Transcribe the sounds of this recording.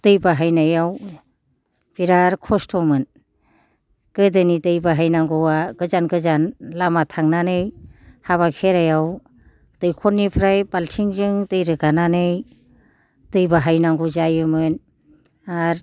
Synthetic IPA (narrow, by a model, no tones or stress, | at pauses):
tɯjbaɦajnajaw | b̥iɾaɾkʰɔstʰɔmɯn | ɡ̥ɯdɯnitɯjbaɦajnaŋɡɔwaɡɯzanɡɯzanlamatʰaŋnanɯjhaβakʰeɾajaw | tɯjkʰɔnːipʰɾajbaltʰiŋd͡ʒɯŋtɯjɾɯɡananɯj | tɯjbaɦajnaŋɡuzajɯmɯn | aɾ